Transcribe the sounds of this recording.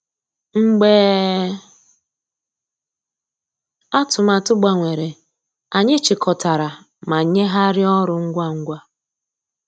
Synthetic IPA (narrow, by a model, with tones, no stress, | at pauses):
ŋ͡m̩˦ɡ͡beː˦ | a˦tʊ˨ma˨tʊ˦ɡ͡ba˨ŋʷe˨ɾe˨ | a˨ɲe˦t͡ʃɪ˨kɔ˨ta˨ɾa˨ | ma˨ɲe˦ɦa˦ɾɪ˦ɔ˦ɾʊ˨ŋ̩˦ɡʷa˦ŋ̩˦ɡʷa˦